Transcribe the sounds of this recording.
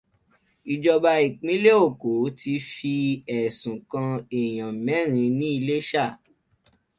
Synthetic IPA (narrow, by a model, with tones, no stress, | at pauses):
i˨d͡ʒɔ˧ba˧i˨k͡pĩ˨˦le˦o˦˨ko˨˦tʰi˧fi˧ɛ˨sũ˨kã˧e˨j̃ã˨mɛ̃˨˦ɾ̃ĩ˧nĩ˦i˧le˦ʃa˦˨